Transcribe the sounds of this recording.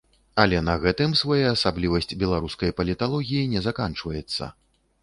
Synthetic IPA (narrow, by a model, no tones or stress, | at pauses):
ɐlʲɛnɐɣɛt̪ɨmsvajaːsablʲivɐsʲt͡sʲbʲɛlˠaɾuskɐjpɐlʲit̪alˠɔɣʲijinʲɛzakant͡ʂvɐjɛt̪sːɐ̰